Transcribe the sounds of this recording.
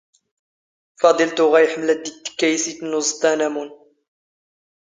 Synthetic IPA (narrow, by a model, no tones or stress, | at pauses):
fɑd̪ˤəlt̪ʊɣæjħmlæd̪it̪ːkːæjsit̪nuzˤt̪ˤænamun